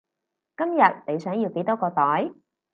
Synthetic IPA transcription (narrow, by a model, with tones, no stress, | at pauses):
kɐ˥mjɐ˨˩t̚ne˨˧jsœː˨˥ŋji˧wke˨˥jt̪ɔː˥kɔː˧t̪ɔː˨˥j